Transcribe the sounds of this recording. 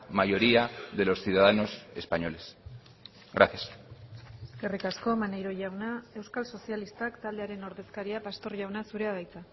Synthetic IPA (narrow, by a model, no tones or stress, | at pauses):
majo̞ɾiaðe̞lo̞sθjuðaðano̞sḛspaɲo̞le̞s | ɣɡɾaθjas | ɡ̥erikasko̞manejɾo̞ʝawnae̞wskalso̞sijalist̪akt̪ald̪e̞aɾe̞no̞ɾðe̞skaɾiapast̪o̞ɾʝawnasuɾe̞aβajt͡sa